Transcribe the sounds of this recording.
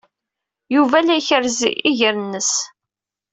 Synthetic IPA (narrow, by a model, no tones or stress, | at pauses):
juvælæjçəɾzḭʔiʝəɾənːəs